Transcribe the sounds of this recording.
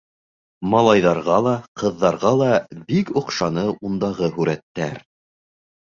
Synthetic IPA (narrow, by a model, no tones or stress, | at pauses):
mɑlˠɑjðɑɾʁɑlˠɑqʰɤ̆ðːɑɾʁɑlˠɑbikŏqʃɑnɤʔund̪ɑʁɤɦʉɾæt̪ːæ̰ɾ